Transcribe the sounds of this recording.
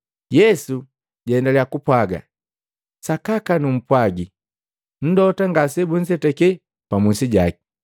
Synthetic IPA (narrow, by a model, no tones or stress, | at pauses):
jɛsu | ɟɛndalɛakupwaɡa̰ | sakakanum̩pwaɡi | n̩dɔtaŋɡasɛbun̩sɛtɛkɛ | pamusiɟaki̥